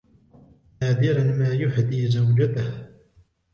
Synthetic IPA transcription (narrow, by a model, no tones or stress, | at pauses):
naːd̪ɪɾanmaːjʊħd̪iːzawd͡ʒat̪ah